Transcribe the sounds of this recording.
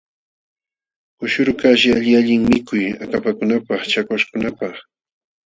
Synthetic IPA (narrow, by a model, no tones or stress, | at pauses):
kʊʃʊɾkaʃɪaʎɪaʎɪŋmɪkʊjakapakʊnapɑχt͡ʃakwaʃkʊnapɑχ